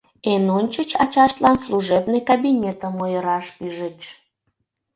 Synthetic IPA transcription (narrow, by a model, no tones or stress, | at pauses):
enonʲt͡ɕət͡ɕɑt͡ɕɑʃt̪lɑnsluʒebnekabʲinʲet̪əmojəɾɑʃpyʒət͡ɕ